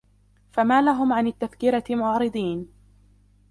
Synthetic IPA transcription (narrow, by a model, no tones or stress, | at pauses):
famaːlaɦʊmʕanat̪ːafkɪɾamʊʕɾɨd̪ˤiːn